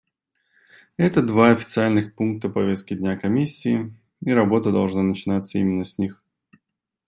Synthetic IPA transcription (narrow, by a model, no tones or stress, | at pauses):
ɛt̪əd̪vaɐfʲɪ̥t̪sɨalʲnɨxpunk̚t̪əpɐvʲe̞st̪̚kʲɪdʲnʲakɐmʲisʲːiː | iɾɐbo̞t̪əd̪ɐlˠʐnanət͡ɕɪnat̪səimʲɪnːəsʲnʲix